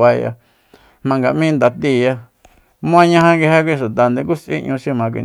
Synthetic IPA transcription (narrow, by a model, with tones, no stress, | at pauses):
a˧ja̰˧ | mã˧ŋɡa˨ʔmĩ˦nd̪a˨t̪i˧˨ja˧ | mũ˦ã˦ɲã˧hã˧ŋɡe˧he˦˧kʷĩ˧ʃu˨t̪a˨nd̪ẽ˧ku˦sʔḭ˦ʔɲũ˧ʃi˧mã˧k̬ʷḭ˧